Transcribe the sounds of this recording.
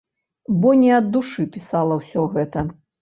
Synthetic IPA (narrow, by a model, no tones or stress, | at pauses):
bɔnʲɛɐd̪ːuʂɨpʲisalˠɐwsʲɔɣɛt̪ɐ